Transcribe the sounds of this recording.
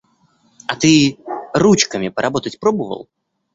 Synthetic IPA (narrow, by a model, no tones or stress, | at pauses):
ɐt̪ɨrut͡ɕkəmʲɪpəɾʔɐbo̞t̪ətʲpɾobəvə̰lˠ